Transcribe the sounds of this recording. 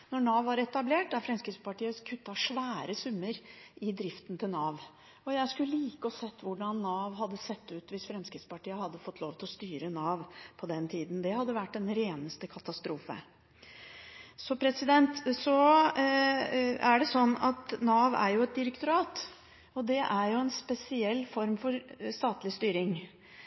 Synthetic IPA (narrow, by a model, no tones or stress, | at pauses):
nɔɳɑːʋɑɾɛt̪ɑbleːʈd̪æɾfɾɛmskɾɪt̪spɑʈiːəkʰʉt̪ːɑʂʋæːɾəsʉmːəɾɪd̪ɾɪft̪ənt̪ʰɪlnɑːʋ | ɔjæɪskʉəliːkəɔsɛt̪ːʋʊɖɑnːɑːʋɦɑd̪ːəsɛt̪ːʉːt̪ʋɪsfɾɛmskɾɪt̪spɑʈiːəhɑd̪ːəfɔt̪ːloːʋt̪ʰɪlɔst̪yːɾənɑːʋpʰɔd̪ɛnt̪ʰiːd̪n̩d̪ɛhɑd̪ːəʋæʈːɛnɾeːnəst̪əkʰɑt̪ɑst̪ɾuːfə̰ | sɔpʰɾɛsɪd̪ɛnt̪sɔ | æɖɛsɔnːɑt̪nɑːʋæ̰ɾjʊɛt̪̚d̪ɪɾəkt̪ʊɾɑːt̪ | ɔd̪ɛʔæɾjʊɛnspɛsɪɛlːfɔɾmfɔɾst̪ɑːt̪lɪst̪yːɾɪŋ